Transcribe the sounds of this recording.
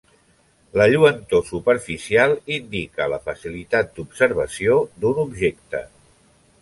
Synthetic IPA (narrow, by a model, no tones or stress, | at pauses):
ləʎuənt̪osupəɾfisialˠind̪ikələfəsilit̪at̪̚d̪ubsəɾβəsiod̪unubʒekt̪ə